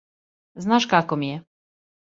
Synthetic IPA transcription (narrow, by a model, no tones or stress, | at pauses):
znaʂkakɔmʲjɛ